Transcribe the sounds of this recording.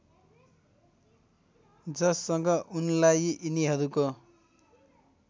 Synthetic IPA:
d͡zʌsːʌŋɡʌʔunlajiniɦʌɾuko

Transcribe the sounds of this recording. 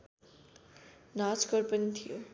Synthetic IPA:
nat͡skʌrpʌnit̪ʰijo

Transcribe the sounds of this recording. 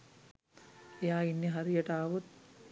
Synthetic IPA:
jaːinːiɦɐɾijɐʈaːʋut̪̚

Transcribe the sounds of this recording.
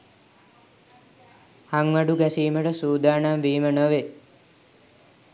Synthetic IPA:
haŋʋaɖuɡæsiːməʈəsuːd̪aːɳamʋiːmənəʋe

